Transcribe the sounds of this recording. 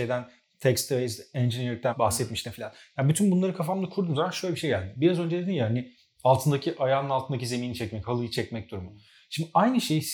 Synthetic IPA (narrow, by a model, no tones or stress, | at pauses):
ejd̪æn | t̪ʰɛcst̪ʰejzɛnd͡ʒinjɾʲyc̚t̪ænbaxsɛt̪miʃt̪ʰɛfilʲanjaːbyt̪ʰynbunlˠaɾɯkʰafamlˠakʰuɾd̪umzamanʃøjlʲbiʃejɟælʲd̪ɪbiɾazønd͡ʒed̪ed̪imjahanɪ | alˠt̪ʰɯnd̪acʰiʔajaːnɯnalˠt̪ʰɯnd̪ac̬ʰize̞miːnit͡ʃʰɛcmɛchalˠɯjɯt͡ʃʰɛcmɛc̚d̪uɾumʊ | ʃimd̪ɪʔajnɯʃejis